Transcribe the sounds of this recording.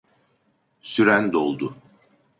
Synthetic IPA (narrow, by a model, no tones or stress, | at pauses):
syɾænd̪olˠd̪ʊ